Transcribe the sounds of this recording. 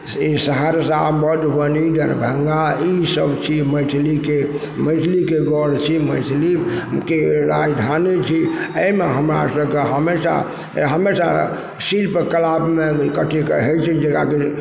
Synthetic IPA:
isəɦəɾsabəd̪ɦənid̪əɾbʱəŋɡaisəbt͡ʃʰiməʈʰlike | məɪʈʰlikeɡɔɽ̤t͡ʃʰiməʈʰlikeɾajd̪ʱanet͡ʃʰiəmeɦəmɾa̰səbkeɦəmesa̰ | ɦəmesa | silpekəlabmekəʈʰikəɦɛt͡ʃʰid͡ʒeɡaki

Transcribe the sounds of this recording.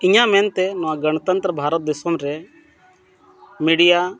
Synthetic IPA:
ɪɲãmɛ̃nt̪ɛnɔʋãɡəñət̪ənt̪ɾəbʱaːɾət̪̚d̪eːsomɾɛ | miɽija

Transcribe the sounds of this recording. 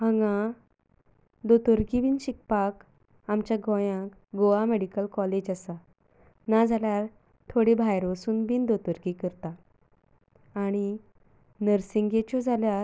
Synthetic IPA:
ɦəŋɡã | d̪ot̪oɾɡibiːnɕik̚pak | amt͡ɕjaɡɔ̃jãk | ɡoameɽikəlkɔled͡ʑasa | nad͡zʱaljaɾ | t̪ʰoɽibʱajɾʋəsuːnbiːnd̪ot̪əɾɡikəɾt̪a | ɽ̃i | nəɾsiŋɡet͡ɕɔd͡zʱaljaɾ

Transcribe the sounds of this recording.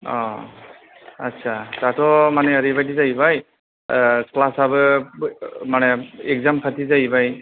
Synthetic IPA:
ɔ | ətːsʰatatʰɔmanɛəɾibajtizajbaj | klasabɯ | manɛekzampʰatizajbaj

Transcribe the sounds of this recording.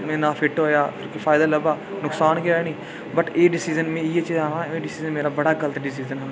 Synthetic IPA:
mɛ̃ːnãːpʰɪʈɦoːjaːkõːkifʰaːɪd̪aːləbaː | nʊksaːnkeeːnĩː | bəʈeːɖɪsiːzənmɛ̃ːiːet͡ʃiːzaːɾãːeːɖɪsiːzənmeːɾaːbəɽaːɡələt̪ɖɪs̬iːzənɦə

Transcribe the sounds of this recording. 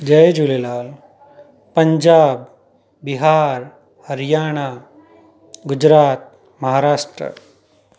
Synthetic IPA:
d͡ʒɐjd͡ʒulelaːl | pəɲd͡ʒaːbː | iɦaːɾ | həɾjaːɽ̃a | ɡud͡ʑɾaːt̪̚ | mɐɦaːɾaːʂʈɾə̰

